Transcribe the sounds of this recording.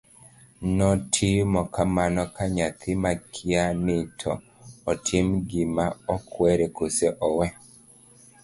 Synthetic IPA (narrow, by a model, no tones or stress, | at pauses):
nɔtʰimɔkamanɔkaɲat̪ʰɪmakʰianɪtʰɔ̰ː | tʰimɡimaɔkwɛɾɛkusɛʔɔwɛ